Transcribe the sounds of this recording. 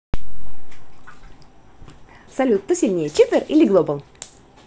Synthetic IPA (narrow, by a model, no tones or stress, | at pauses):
sɐlʲut̪ːəsʲilʲnʲejət͡ɕit̪ʲɪrʔilʲɪɡlˠobəlˠ